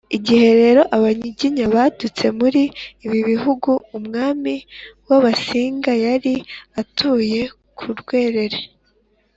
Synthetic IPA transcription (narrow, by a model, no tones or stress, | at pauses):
iɟihe̞ɾe̞ɾo̞ʔaβaɲiɟiɲaβadut͡se̞muɾiːβiβiɦuɡuːmŋaːmiwaβasiːŋɡajaɾiatʰuːje̞ | kʰuɾɡwe̞ːɾe̞ɾe